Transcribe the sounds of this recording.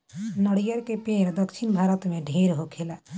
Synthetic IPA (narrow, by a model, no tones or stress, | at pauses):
nəɽijəɾkepeːɾd̪əkʃɪnbʱaːɾət̪mẽɖʱeːɾɦokʰelaː